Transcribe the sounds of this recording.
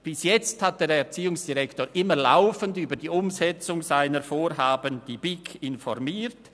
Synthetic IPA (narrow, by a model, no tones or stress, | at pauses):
b̥ɪsjɛt͡sthat̚d̥eːɾɛɐt͡siːʊŋsd̥iʁɛktoːɾʔɪməla̰ʊfəndyːbədiːʊmzɛt͡sʊŋz̥aɪnəfoːɾɦaːbənd̥iːb̥ɪkʰɪnfɔʁmiːt